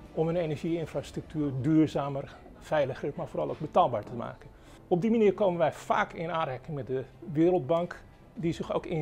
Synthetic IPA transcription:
ɔmənejnɛɹʒiɪnfrastrək̚tʰyːrdyːɹzaːmər | fɛjləxrətmaːɹfoːɾɑlˠowk̚bətaːlˠbaːɹtəma̰ːkən | ɔb̚dimaniːrkoːmənʋɛjfa̰ːkʰɪnaːnrɛkɪŋmɛt̚dəʋɪːɾəlˠd̚bɑŋk | dizɪxo̰wkɪ

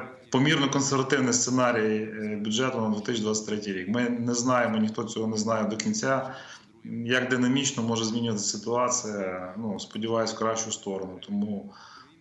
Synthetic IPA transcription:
pɔmʲirnɔkɔnseɾʋɐt̪ɪwnɪst̪senɑɾʲijbʲʊdʒɛt̪ʊnɐd̪ʋut̪ɪsʲd̪ʋɑt͡sʲːsʲɐ̥tʲt̪ʲɾɛtʲijɾʲikmɪnɛznɑjemɔnʲixt̪ɔt͡sʲɔɦɔnɛznɑjɛd̪ɔkʲinʲt͡sʲa | jɐɡd̪ɪnɐmʲit͡ʃnɔmɔʒɛzʲmʲinʲʊʋɐt̪ɪsɪt̪ʊɑt͡sʲijɐnuspɔdʲɪʋɑjʊsʲkɾɑʃt͡ʃʊst̪ɔɾɔnʊt̪ʰɔmu

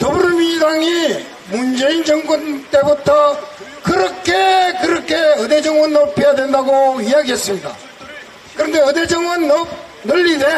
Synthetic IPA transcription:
tobuɾmidaŋi | mund͡ʑe̞ind͡ʑʌŋkont͈e̞butʰʌ | kɯɾʌkʰekɯɾʌkʰeʌded͡ʑʌŋwʌnːopʰejadwe̞ndaɡoiɦaɡiɦes͈ɯmɲida̰ | kɯɾʌndeʌded͡ʑʌŋwʌnːʌp̚ | nɯʎːide

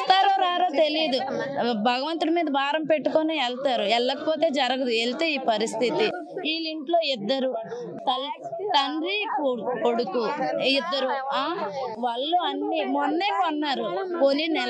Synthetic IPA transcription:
t̪aːɾoːɾaːɾoːt̪e̞lijɐd̪u | bʱɐɡɐʋɐnt̪uɽimiːd̪ɐbʱaːɾɐmpe̞ʈːukoːniɛlt̪aːɾuɛɭːɐkɐpo̞ːt̪e̞ːd͡ʒɐɾɐɡɐd̪uelt̪eːiːpɐɾist̪ʰit̪i | iːliɳʈlo̞ːid̪ːɐɾu | t̪ɐl | t̪ɐɳɾikoko̞ɽukuid̪ːɐɾuaːʋaːɭːuɐnːimɔnːeːkɐnːaːɾu | polinɛ

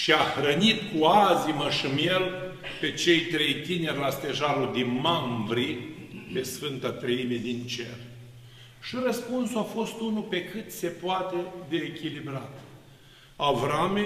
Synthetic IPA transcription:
ʃiaxɾənit̪kuaziməʃɨmje̞lpe̞t͡ʃe̞jt̪ɾe̞jt̪inerʲlast̪e̞ʒalud̪inmambɾipe̞sfɨnt̪at̪ɾəime̞d̪int͡ʃe̞r | ʃirəspunsuafo̞st̪unupe̞kɨt̪se̞poat̪e̞d̪e̞ːkʲilibɾat̪ | avɾame

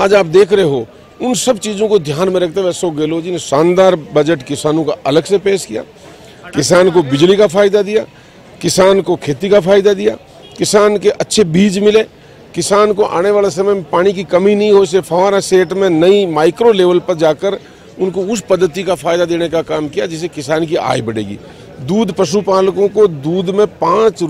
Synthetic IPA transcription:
aːd͡ʒaːp̚d̪eːkʰɾɐɦeɦo | ʊnsɐbt͡ʃiːd͡ʒõkod̪ʱjaːnmẽɾɐk̚ʰt̪eʋɛːsoɡeːloːd͡ʒɪnesãːnd̪aːɾbɐd͡ʒəʈkɪsaːnõkaʔɐləɡsepeːʃkija̰ː | kɪsaːnkobɪd͡ʒlikafʰaːɪd̪ad̪ɪjaː | kɪsaːnkokʰeːt̪ikafʰaːɪd̪ad̪ɪja̰ː | kɪsaːnkeʔɐtːʃʰebiːd͡ʒmɪleː | kɪsaːnkoʔa̰ːneʋaːlasɐməjmẽpaːɽ̃ikikɐmĩnɐɦĩɦoːsefʰɐaːɾaseːʈmẽnɐimaːɪkɾoleːʋəlpɐɾd͡ʒaːkəɾ | ʊnkoʊspɐd̪ːət̪ikafʰaːjd̪ad̪eːnekakaːmkijad͡ʒɪs̬ekɪsaːnkia̰ːibɐɽḛːɡḭː | d̪uːd̪pɐʃupaːlkõkod̪uːd̪mẽpãːt͡ʃ

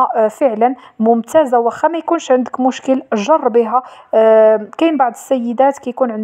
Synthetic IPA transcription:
fəʕlən | mʊmt̪æzawæxæmæjkunʃʕənd̪əkmʊʃkəlʒɑrˤːbiɦæ | kæjnbaʕd̪əsːæjːəd̪æt̪kæjkunʕənd̪

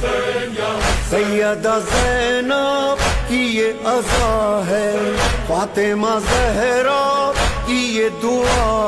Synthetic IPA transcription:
sɐjɐd̪azɛnaːbkijeɐzaːɦɛfaːt̪emãzɛɦɛɾaːbkijed̪ʊaː

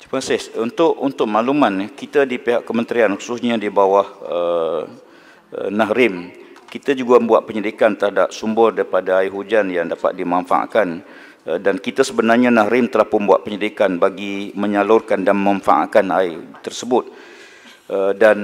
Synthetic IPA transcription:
t̪imasɪhunt̪ʊʔunt̪ʊk̚malumankit̪adipiɦaʔkːəmənt̪ɾianhususɲadibawahə | naɦrɪm | kit̪ad͡ʒuɡaəbuat̪ʔ̪̚pəɲədikant̪əɾadap̚sumbʊrdaɾipadaaiɦud͡ʒanjaŋdapa̰t̪̚dimanfa̰ʔa̰ʔkan | dankit̪asəbənarɲanahɾɪmt̪əlahpʊnbua̰ʔ̪̚pəɲədikanbaɡiməɲalʊrkandanmanfa̰ʔa̰ʔkana̰it̪ərsəbʊt̪̚ | ədan

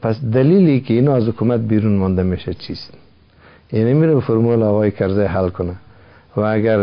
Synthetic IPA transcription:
pasd̪alilikɪːnɔazhʊkumat̪̚biɾunmɔnd̪ameʃat͡ʃʰist̪ | jinimiɾabfʊɾmulɔːɣɔjɪkʰaɾzajɦalkʊna | waːɡaɾ

